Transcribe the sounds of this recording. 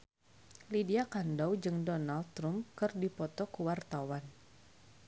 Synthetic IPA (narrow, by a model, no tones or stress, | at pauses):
lidiakandɔwd͡ʒɨŋdɔnald̚t̪ɾumkɨrdipɔt̪ɔkuwart̪awan